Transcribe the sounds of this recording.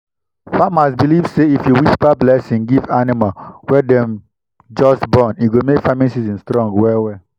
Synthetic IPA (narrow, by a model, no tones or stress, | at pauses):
famasbilivseifjuwispablɛsĩŋɡivanimalwɛdɛ̃m | d͡ʒɔsbɔ̃niɡomekfamĩnsizĩnstɹɔ̃ŋɡwɛwɛ